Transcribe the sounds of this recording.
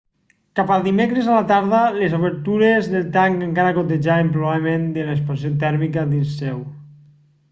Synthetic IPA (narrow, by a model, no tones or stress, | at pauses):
kapalˠd̪imekɾezalat̪aɾðalezoβeɾt̪uɾezðelˠt̪aŋkaŋkaɾakot̪̬eʒaempɾoβaβlemend̪elaespansijot̪ɛɾmikaðinsːɛw